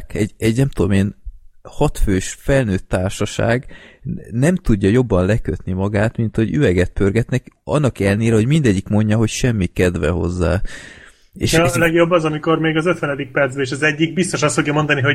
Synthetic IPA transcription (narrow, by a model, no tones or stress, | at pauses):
kɛɟɛɟnɛmt̪ud̪omeːnhɒt̪føːʃfɛlnøːt̪ːaːrʃɒʃa̰ːɡ | nɛmt̪uɟːɒjo̞bːɒnlɛkøt̪nimɒɡaːt̪mint̪ho̞ɟy̰vɛɡɛt̪̚pʰørɡɛt̪nɛkɒ̰nːɒkɛlneːɾɛɦo̞ɟmind̪ɛɟːikmo̞ɲɟɒɦo̞cʃɛmːikɛd̪vɛ̰ɦo̞̰zːa̰ː | ḛːʃlɛɡjobːɒzɒmiko̞rmeːɡɒzøt̪ʋɛnɛd̪ik̚pɛrt̪zbeːʃɒzɛɟːiɡ̚bist̪o̞ʃɒst̪foɡjɒmo̞nd̪ɒniɦo̞